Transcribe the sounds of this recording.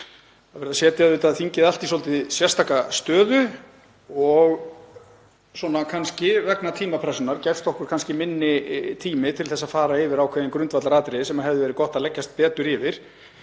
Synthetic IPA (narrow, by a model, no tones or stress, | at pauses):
aðvɛɾðasjɛːt̪ɪaðvɪt̪aðθiɲcɪðalt̪isɔlt̪ɪsjɛr̥st̪ʰaːkast̪œːðʏ | ɔɣ | swɔnakʰanscɪvɛknat̪ʰiːmapʰɾɛsɔnaɾcɛɾ̥st̪ɔhkʏɾkʰanscɪmɪnːɪt̪ʰiːmɪt̪ʰɪlθɛsafaːɾaɪvɪɾaːwkʰvɛːðɪnkɾʏnt̪vat̪laɾaːt̪ɾɪsɛmaðhɛvðʏvɛːɾɪkɔht̪aðlɛcːast̪̚pɛːt̪ʏɾɪvɪɾ̥